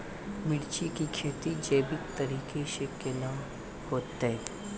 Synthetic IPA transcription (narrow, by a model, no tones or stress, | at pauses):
mɪɽt͡ʃikikʰeːt̪id͡ʒɐːbɪk̚t̪ɐɾiːkeʃekelã | hoːt̪e